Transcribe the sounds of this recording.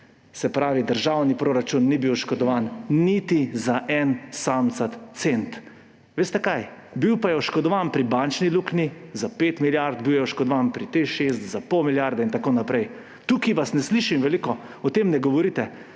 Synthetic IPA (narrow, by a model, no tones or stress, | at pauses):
sɛpɾaːʋid̪əɾʒawnipɾoɾat͡ʃunːibiwʃkɔd̪ɔʋaːnnit̪izaʔɛnsamt̪sat̪sent̪ | ʋeːst̪ɛkaj | biwpajɛɔʃkɔd̪ɔʋanpɾibant͡ʃniluknizapeːt̪miljaɾd̪̚biwjɛɔʃkɔd̪ɔʋaːnpɾit̪eʃest̪zapɔwmiljaɾd̪ɛint̪akoːnapɾʔɛj | t̪ukiʋasnɛsliːʃimʋɛlikɔ | ɔt̪emnɛɡɔʋɔɾit̪ɛ